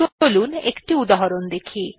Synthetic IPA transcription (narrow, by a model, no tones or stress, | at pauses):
olunḛkʈiud̪aɦɔɾond̪ekʰi